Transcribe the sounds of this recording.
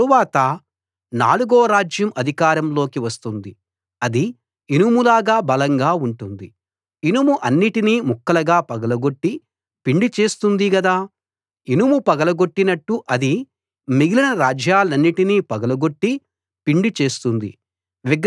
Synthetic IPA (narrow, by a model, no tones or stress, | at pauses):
uʋaːt̪ɐ | na̰ːluɡoːɾaːd͡ʒjɐmʔɐd̪ʱikaːɾɐmlo̞ːkiʋɐst̪und̪i | ɐd̪i | inumulaːɡaːbɐlɐŋɡaːuɳʈund̪i | inumuʔɐnːiʈiniːmukːɐlɐɡaːpɐɡɐlɐɡoʈːi | piɳɖit͡ʃe̞ːst̪und̪iɡɐd̪aː | inumupɐɡɐlɐɡo̞ʈːinɐʈːuʔɐd̪i | miɡilinɐɾaːd͡ʒjaːlɐnːiʈiniːpɐɡɐlɐɡo̞ʈːi | piɳɖit͡ʃe̞ːst̪und̪ḭ | ʋiɡ